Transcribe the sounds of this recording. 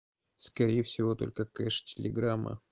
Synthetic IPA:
skɐɾʲejəfsʲɪvo̞t̪o̞̰lʲkəkɛʂtʲɪlʲɪɡɾamːə̰

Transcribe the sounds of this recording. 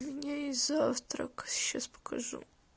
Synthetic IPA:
vɲʲejzaft̪ɾɔ̰kɕɛ̰spʰɔ̥kʰɔʐṵw

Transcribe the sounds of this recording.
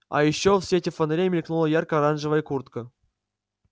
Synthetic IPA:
a̰jɪɕːofsʲetʲɪfənɾʲemʲɪlʲknulˠəjarkəɐɾanʐɨvəjəkurt̪kə

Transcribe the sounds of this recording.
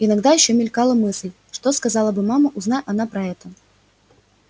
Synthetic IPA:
inaɡd̪ajiɕːɔmʲɪlʲkalˠɐmɨslʲ | ʂt̪ɔskazalˠɐbɨmamɐʔuznajʲʔan̪apɾɐɛt̪ə

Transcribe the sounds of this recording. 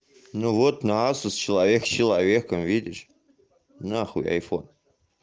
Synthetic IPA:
novot̪naasust͡ʃʰilˠavʲekst͡ʃʰilˠavʲekʰəmvid̪ʲiʃ | naχṵja̰jfon

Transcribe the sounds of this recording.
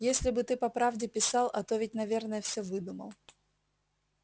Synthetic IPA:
jesʲlʲɪbɨt̪ɨpɐpɾavdʲɪpʲɪsɑlˠɐt̪o̞vʲɪtʲnɐvʲe̞rnəjəfsʲɵvɨd̪umə̰lˠ

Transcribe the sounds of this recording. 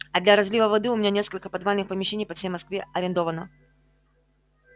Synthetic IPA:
ɐd̪lʲɐɾɐzʲlʲivəvɐd̪ɨʊmʲnʲanʲe̞skəlʲkəpɐd̪valʲnɨxpəmʲɪɕːenʲɪjpɐfsʲejmɐskvʲeɐɾʲɪnd̪o̞vənə

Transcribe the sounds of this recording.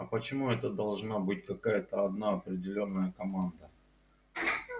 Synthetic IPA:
ɐpət͡ɕɪmuɛt̪əd̪ɐlˠʐnabɨtʲkɐkajət̪əɐd̪naɐpɾʲɪdʲɪlʲonːəjəkɐmand̪ə

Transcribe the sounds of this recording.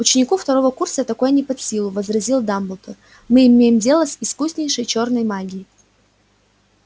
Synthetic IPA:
ʊt͡ɕɪnʲɪkuft̪ɐɾo̞vəkursət̪ɐko̞jənʲɪpɐt̪sʲilˠʊvəzɾɐzʲilˠd̪ambəlˠt̪ər | mɨɪmʲejɪmdʲe̞lˠəsɪskusʲnʲɪjʂəjt͡ɕo̞rnəjmaɡʲɪjɪ

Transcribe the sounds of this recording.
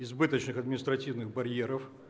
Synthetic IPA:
ɪzbɨt̪ət͡ɕnɨxɐd̪mʲɪnʲɪst̪ɾɐtʲivnɨɣbɐɾʲjeɾəf

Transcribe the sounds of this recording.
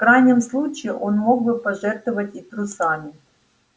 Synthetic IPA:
fkɾajnʲɪmslˠut͡ɕɪːʔo̞nmo̞ɡ̚bɨpɐʐɛrt̪vəvətʲit̪ɾʊsamʲɪ

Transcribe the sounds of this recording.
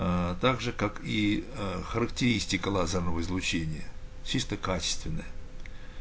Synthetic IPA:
t̪aɡʐɨkakixəɾəktʲɪɾʲisʲtʲɪkəlˠazərnəvəɪzlˠʊt͡ɕenʲɪjət͡ɕist̪əkat͡ɕɪ̥st̪vʲɪnːəjə

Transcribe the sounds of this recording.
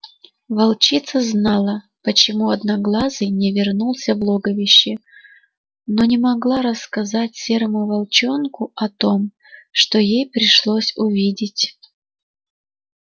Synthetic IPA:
vɐlˠt͡ɕit̪səznɑlˠə | pət͡ɕɪmuɐd̪naɡlˠazɨjnʲɪvʲɪrnulˠsʲəvlˠoɡəvʲɪɕːɪ | no̞nʲɪmɐɡlˠaɾəskɐzatʲsʲeɾəmʊvɐlˠt͡ɕonkʊɐt̪om | ʂt̪o̞jejpɾʲɪʂlˠosʲʊvʲidʲɪtʲ

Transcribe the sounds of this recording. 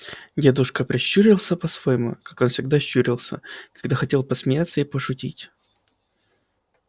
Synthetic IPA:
jʲed̪ʊʂkəpɾʲɪɕːuɾʲɪlˠsʲəpɐsvojmʊ̰kako̞nfsʲɪɡ̚d̪aɕːuɾʲɪlˠsʲə̰kɐɡd̪axɐtʲe̞lˠpəsmʲɪjat̪səipəʂʊtʲitʲ

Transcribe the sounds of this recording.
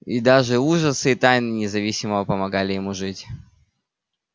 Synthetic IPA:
id̪aʐɨuʐəsɨːt̪ajnɨnʲɪzɐvʲisʲɪməvəpəmɐɡalʲɪjɪmuʐɨtʲ

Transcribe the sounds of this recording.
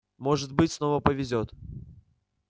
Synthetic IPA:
moʐɨt̪̚bɨtʲsnovəpəvʲɪzʲot̪

